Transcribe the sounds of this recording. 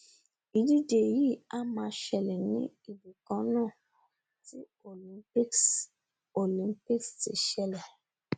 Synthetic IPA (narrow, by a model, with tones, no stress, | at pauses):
i˧d͡ʒi˦de˨ji˦˨a˦mã˧ʃɛ˨lɛ˨nĩ˦ | i˨bi˨kɔ̃˨˧˦nãː˦˨ | ti˦ | o˨lĩ˨˧˦pi˦ | o˨lĩ˨˦mpi˦ksti˨ʃɛ˨lɛ˨